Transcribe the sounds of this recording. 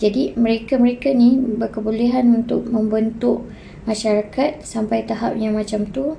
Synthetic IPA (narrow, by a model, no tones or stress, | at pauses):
d͡ʒadimə̃ɾekaməɾekanibərkəbuleɦanunt̪ʊk̚mə̃mbənt̪ʊʔ | mãʃaɾakat̪̚sampajt̪aɦap̚jaŋmãt͡ʃamt̪u